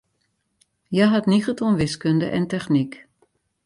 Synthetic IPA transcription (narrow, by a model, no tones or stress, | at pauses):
jaɦatnixətʰɔnʋɪskɵndəʔɛntɛχnik